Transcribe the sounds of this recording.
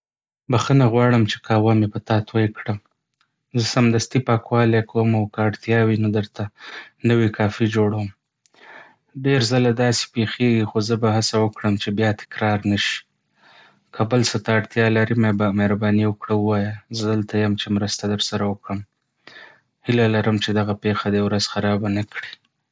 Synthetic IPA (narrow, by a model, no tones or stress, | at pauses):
baxənaɣwɑɽəmt͡ʃe̥kʰawamepət̪ɑt̪wajkɽa | zəsamd̪ast̪ipɑkwɑlekawəmawkaaɽt̪jɑwinod̪əɾt̪anəwikʰɑfid͡ʒoɽawəm | ɖeɾzalad̪ɑsi̥pexeɡixozəbaɦasawəkɽəmt͡ʃebjɑt̪ɪ̥kɾɑɾnəʃi̥ | kʰabəlsət̪aːɽt̪jɑlaɾimebameɾabɑniwəkɽaəwɑjazəd̪əlt̪ajəmt͡ʃemɾəst̪ad̪əɾsaɾawəkɽəm | hɪlalaɾəmt͡ʃed̪aɣapexad̪əjawɾaz̥xaɾɑbanakɽi